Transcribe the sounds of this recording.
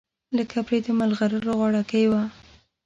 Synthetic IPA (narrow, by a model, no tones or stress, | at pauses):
ləkʰapɾed̪əmalɣaɾəɾoɣwɑɽakaewa